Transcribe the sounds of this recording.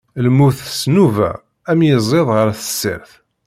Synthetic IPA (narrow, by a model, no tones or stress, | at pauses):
lmːuθsnuvæ̰ | æmjəzˤeðˤʁəɾθəsːə̰ɾθ